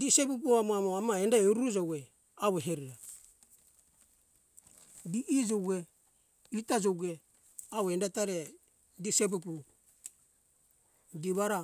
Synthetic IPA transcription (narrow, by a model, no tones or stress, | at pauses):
disep̬up̬uamoamoamaendaeɾuɾud͡ʒowɡe | aweɦeɾiɾa | diʔid͡ʒowɡe | itad͡ʒowɡe | awendataɾe | disep̬up̬u | diβaɾa